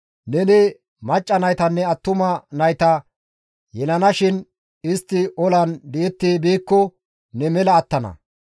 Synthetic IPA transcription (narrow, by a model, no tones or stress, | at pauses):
nɛnɪ | mɐt͡ʃʼːɐnɐjt̪ɐnːɛɐt̪ːʊmɐnɐjt̪ɐ | jɛlɐnɐʃɪn | ɪst̪ːɪʔɔlɐnd̪ɛjɛt̪ːeːbiːkːɔ | nɛmɛlɐːt̪ːɐnɐ̰